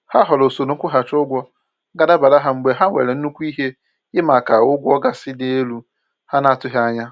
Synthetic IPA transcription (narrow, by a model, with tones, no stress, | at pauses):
ha˦ɦɔ˨lo˨so˨ɾo˨ŋ̩˦kʷʊ˦ɦa˨t͡ʃʊ˦ɡʷɔ˦ | ɡa˦da˦ba˨da˦ɦa˨ŋ͡m̩˨˦ɡ͡be˨ɦa˦ŋʷḛ˨ɾe˨n̩˦nu˦kʷu˦i˦ɦe˦ | ɪ˦ma˨ka˨ʊ˦ɡʷɔ˦ɡa˨sɪ˦de˦e˦lu˦ | ha˦na˦a˨tʊ˦ɦja˦ɲa˦